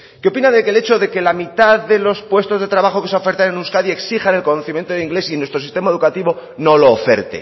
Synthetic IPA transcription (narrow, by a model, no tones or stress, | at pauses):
keo̞pinaðekele̞t͡ʃo̞ðe̞ke̞lamit̪aðːe̞lo̞spwe̞st̪o̞zðe̞t̪ɾaβaxo̞ke̞sofe̞ɾt̪anenuwskaðie̞ksixane̞lko̞noθimje̞nt̪oeiŋɡle̞sinwest̪ɾosist̪e̞mae̞ðukat̪iβo̞no̞lo̞ːfe̞̰ɾt̪ḛ